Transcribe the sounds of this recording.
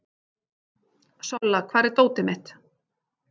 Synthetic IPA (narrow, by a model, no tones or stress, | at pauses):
sɔlːakʰvaːɾɪɾt̪oːwt̪ɪmɪht̪